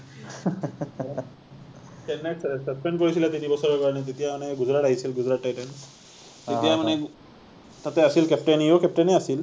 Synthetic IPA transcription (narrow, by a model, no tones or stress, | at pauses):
t̪enːessəspeɳɖkəɾut͡ɕilat̪inibəsəɾʋakaɾnet̪̬et̪ijaməneɡud͡zɾaʈajsiːlɡud͡zɾaʈːajʈens | tet̪jãməne | t̪at̪eəsiːlkɛpʈenijokɛp̚ʈeneasiːl